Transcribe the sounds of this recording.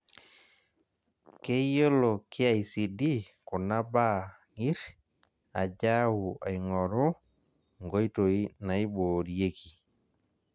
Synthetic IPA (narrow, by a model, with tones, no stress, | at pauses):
ke˦jo˦lo˨kʰɪ˦a˨i˨si˨di˦ko˨na˦ba˦ | ŋi˦ɾ | a˨d͡ʒa˦wu˨a̰˨jŋɔ˨ɾo˦ | ŋɡo˦jto˨i˦na˨i˦boː˨ɾie˦ki˨